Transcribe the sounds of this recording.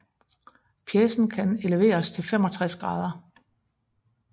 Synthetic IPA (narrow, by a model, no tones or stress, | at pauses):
pʰjeːsn̩kʰæne̝ləʋe̝̰ːɐst͡sʰe̝lfemɒ̽t͡sʰʁasɡ̥ʁɑ̈ːð̞ˠɐ